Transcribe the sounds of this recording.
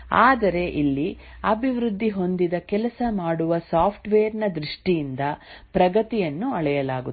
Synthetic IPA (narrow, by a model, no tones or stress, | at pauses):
aːd̪ɐɾe̞ʔilːiɐbʱiʋɾud̪ʱːiɦo̞nd̪id̪ɐkɛlɐsɐmaːɽuʋɐsaːpʰʈʋeːɾnɐd̪ɾiʂʈijind̪ɐpɾɐɡɐt̪ijɐnːuɐɭɛjɐlaːɡu